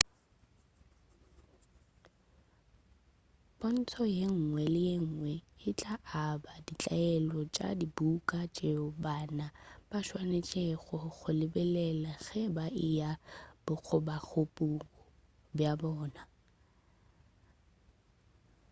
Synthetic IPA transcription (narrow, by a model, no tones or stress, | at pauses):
bon̩tʰɔjeŋ̩ŋwɛlɪjeŋ̩ːŋwɛɪt͡ɬʼaʔabadit͡ɬʼaɛlɔt͡ʃʼa̰dibukʼat͡ʃʼeʊbanab̥aʃwanet͡ʃʼeɣɔɣʰʊlɪbɛlɛlaɣɛbaʔɪjab̥ʊk͡xʰʊbaɣʰʊpʼukɔ | bjabɔːna